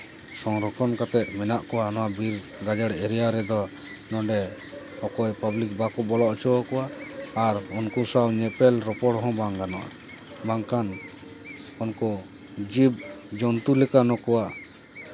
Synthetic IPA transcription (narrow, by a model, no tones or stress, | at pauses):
sɔŋɾɔkʰɔnkat̪ɛt̪̚mɛnaʔkɔwanɔwabiɾ | ɡad͡ʒaɽɛɾɛjaɾɛd̪ɔ | nɔ̃ɖɛ | hɔkɔjpablik̚bakɔbɔlɔʔɔt͡ʃɔwɔkɔwaːɾɔnkusawɲɛpɛlɾɔpɔɽɦɔ̃baŋɡanɔʔ | baŋkan | ɔnkɔ | d͡ʒib̚d͡ʒɔnt̪ulɛkanɔkɔwaʔ